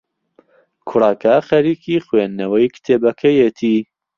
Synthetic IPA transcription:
kʰʊɾɑːkaxɐɾiːkiːxweːnːɐwɐjkʰt̪ʰeːbɐkʰɐjet̪ʰiː

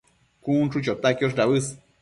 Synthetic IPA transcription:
kunʈ͡ʂut͡ʃot̪akjoʂ̬ɾaβɨs

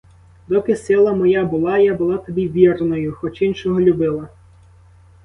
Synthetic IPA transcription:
d̪ɔpʲɪsɪlˠɐmɔjabʊlˠɑjabʊlˠɑt̪ɔbʲiʋʲirnɔjʊxɔt͡ʃinʃɔɦɔlʲʊbɪlˠɐ

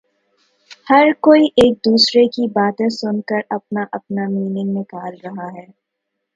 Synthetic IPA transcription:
hɐɾkoːiʔeːk̚d̪uːsɾekibaːt̪ẽsʊnkəɾɐp̚naʔɐpnamiːnɪ̃ŋɡnɪ̃kaːlɾɐɦaɦɛː

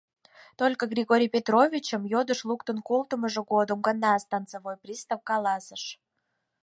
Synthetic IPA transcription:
t̪olʲkəɣrʲiɣoɾʲijpʲet̪rovʲit͡ɕəmjod̪əʃlˠukt̪ənkolˠt̪əməʒə̆ɣod̪əmɡənɑst̪ɑnt͡səvojprʲist̪ɑwkɑlˠɑsəʃ

